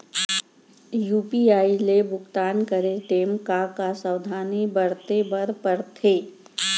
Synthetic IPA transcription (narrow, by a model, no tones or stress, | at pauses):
juːpiaːilebʱʊkt̪aːnkəɾeʈ̪eːmkakasəwd̪ʱaːnibəɾt̪ebɐɾpəɾt̪ʰeː